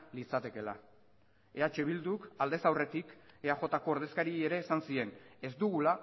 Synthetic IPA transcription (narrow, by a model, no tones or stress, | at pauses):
lit͡sat̪e̞ke̞la̰ | e̞at͡ʃe̞βild̪ukald̪e̞sawre̞t̪ikeaʝo̞t̪ako̞ːɾð̞e̞skaɾie̞ɾe̞ːsansie̞ne̞zd̪uɣ̞ula